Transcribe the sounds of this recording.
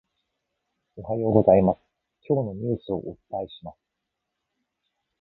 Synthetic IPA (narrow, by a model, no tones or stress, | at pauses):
o̞ɦajo̞ːɡo̞zaimasɨ̥ | kʲo̞ːno̞ɲ̟ɨ̟ːsɨo̞̰ʔot̪aiɕimasɨ̥